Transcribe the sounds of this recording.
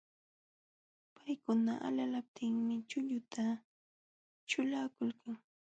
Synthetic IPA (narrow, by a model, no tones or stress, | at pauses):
pajkʊnaʔa̰ʎalap̚t̪ʰɪŋmɪt͡ʃʊʎʊt̪ʰa | t͡ʃʊlaːkʊlkaŋ